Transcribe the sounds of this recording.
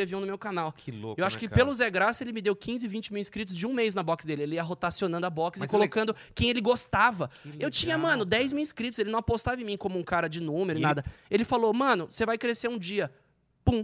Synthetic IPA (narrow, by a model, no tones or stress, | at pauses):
ɾeviɐ̃w̃nʊmewkanawkɪloewaʃʊkɪpelʊzɛɡɾasɐelɪmɪd̪ewkĩzɪɪvĩt͡ʃɪmiwĩskɾit̪ʊzd͡ʒɪũmejznɐbɔkɪsd̪elɪelɪiɐɦot̪asionɐ̃nd̪ʊabɔksɪkolokɐ̃nd̪ʊ | kẽj̃elɪɡost̪avɐewt͡ʃĩɲɐmɐ̃nʊd̪ɛjzmiwĩskɾit̪ʊzelɪnɐ̃w̃apost̪avɐɪ̃mĩkõmʊũkaɾɐd͡ʒɪnũmeɾʊɪ̃nad̪ɐelɪfalomɐ̃nʊsevajkɾeseɾũd͡ʒiɐ | pũ